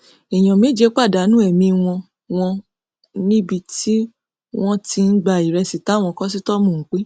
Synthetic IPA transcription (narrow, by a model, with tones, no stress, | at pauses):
i˨j̃ɔ̃˨mĩ˨˦d͡ʒe˧˦k͡pa˦˨da˨˦nũ˦ɛ˦˨mĩ˧w̃ɔ̃˧ | w̃ɔ̃˧ | nĩ˦bi˧ti˦ | w̃ɔ̃˦ti˧n̩˦ɡ͡ba˧˨i˨ɾɛ˧si˨ta˨˦w̃ɔ̃˧kɔ˦s̬i˦tɔ˦mũ˨ŋ̩˨k͡pe˨˦